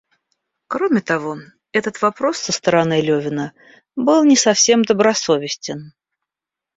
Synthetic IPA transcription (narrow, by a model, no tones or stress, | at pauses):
kɾo̞mʲɪt̪ɐvo̞ | ɛt̪ət̪vɐpɾo̞sːəst̪əɾɐnɨlʲɵvʲɪnə | bɨlˠnʲɪsɐfsʲe̞md̪əbɾɐso̞vʲɪsʲtʲɪn